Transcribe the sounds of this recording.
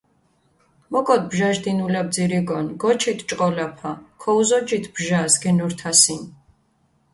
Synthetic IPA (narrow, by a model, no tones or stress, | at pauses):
mɔkʼɔt̪̚bʒaʒd̪inulɛb̚d̪ziɾiɡɔnɡɔt͡ʃʰit̪ʰt͡ʃʼqʼɔlapʰakʰɔuzɔd͡ʒit̪ʰbʒasɡɛnuɾt̪ʰasin